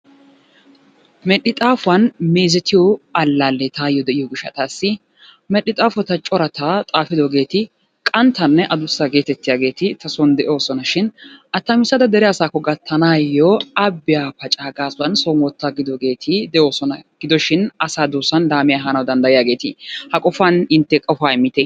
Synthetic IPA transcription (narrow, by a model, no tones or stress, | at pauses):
mɛɗɪt̪ʼaːfʊwɐnmeːzɛt̪ɪjɔɐlːaːlːɛt̪aːjɔd̪ɛʔɪjɔɡɪʃːɐ̰t̪aːsːɪ | mɛɗːɪt̪ʼaːfɔt̪ɐt͡ʃʼɔɾɐt̪ʰat̪ʼaːfɪd̪ɔɡe̞ːt̪ɪ | kʼɐnt̪ʰːɐnːɛʔɐd̪ʊsːaɡe̞ːt̪ɛt̪ːɪjaːɡe̞ːt̪ɪt̪ɐsɔnd̪ɛʔo̞ːsɔnɐʃɪnʔɐt̪ːɐmɪsɐd̪ɐd̪ɛɾɛjaːsaːkːɔɡɐt̪ʰːɐnaːjːoɐbːɪjaːpɐt͡ʃʼaːɡaːsʊɐnsɔnwɔt̪ːaɡɪd̪ɔɡe̞ːt̪ʰɪd̪ɛʔoːsɔnɐɡ̥ɪd̪ɔʃɪnɐsaːd̪oːsɐnd̪aːmɪjaɦanɐwd̪ɐnd̪ɐjɪjaːɡe̞ːt̪ɪhɐkʼɔfɐnɪnt̪ːɛkʼɔfaːɪmːɪt̪ɛ